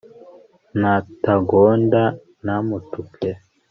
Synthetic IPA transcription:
nataɡonda | namutukʰe

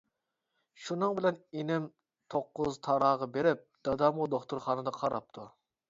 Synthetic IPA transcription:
ʃunɨŋbɪlɛnenɪm | t̪ʰoqːʊzt̪ʰɑɾɑːʁɑbeɾɪp̚d̪̥ɑd̪ɑmʊd̪oχt̪uɾχɑːnɨd̪ɑqʰɑɾɑ̰p̚t̪ʰu

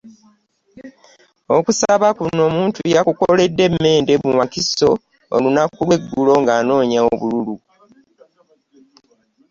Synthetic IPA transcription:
okusaβakuno̞muːntujakuko̞le̞dːe̞mːe̞ːnde̞mumakiso̞ | o̰lunakːulwe̞ɡːulo̞ŋɡaːno̞ːɲaoβululu

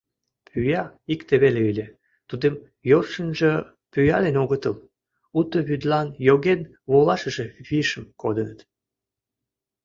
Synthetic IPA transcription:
pʰyjɑikt̪eβeleylʲe | t̪ud̪em | jorʃənʒə | pyjɑlenoɣət̪əl | ut̪əβyd̪lɑnjoɣen | βolɑʃə̆ʒe̽βiʃəmkod̪ənət̪

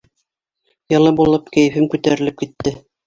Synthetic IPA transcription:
jɤ̆lˠɤbulˠɤpkæ̆jɘ̆fɘmkʉt̪æɾɘ̆lɘp̚kit̪ːɘ

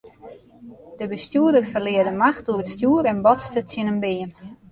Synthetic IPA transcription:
d̥əbəstjuːədərfərlɪədəmaxtuəɾətstjuəɾɛnbɔtstəsjənənbɪən

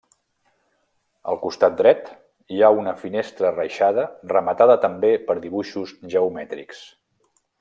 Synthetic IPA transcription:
ə̰lˠkust̪at̪̚d̪ɾɛt̪ | iaunəfinest̪ɾərəjʃað̞ərəmət̪aðət̪əmbepəɾðiβuʃuzʒəumɛt̪ɾḭks

